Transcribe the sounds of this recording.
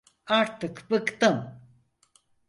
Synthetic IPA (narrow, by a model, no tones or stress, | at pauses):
aɾt̪ɨkpəkt̪əm